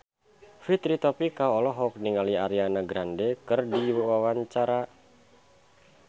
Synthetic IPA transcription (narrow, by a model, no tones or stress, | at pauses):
fit̪ɾit̪ɔpikaɔlɔɦɔk̚niŋaliaɾianaɡɾandɛkɨrdiwawawaɲt͡ʃaɾa